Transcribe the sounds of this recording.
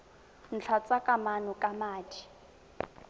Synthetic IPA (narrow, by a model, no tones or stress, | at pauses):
n̩t͡ɬʰat͡sʼakʼamanʊkʼamaːti̥